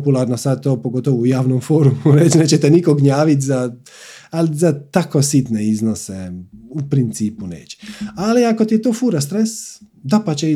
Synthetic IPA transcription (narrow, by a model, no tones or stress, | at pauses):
pulˠaɾnosad̪̚t̪oːpoɡo̞t̪oʋuujaːʋnomfoːɾumuɾet͡ʃneːt͡ɕet̪ɛnikoɡɲaːʋit̪̬ʲza | alizat̪akosit̪neiznoseupɾint̪siːpunḛːt͡ɕe̥aliako̞t̪ijet̪oːfuɾast̪ɾesd̪apat͡ɕe